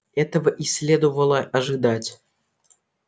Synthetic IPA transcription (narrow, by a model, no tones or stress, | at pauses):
ɛt̪əvəʔisʲːlʲed̪uvəlˠəʔaʐɨd̪atʲ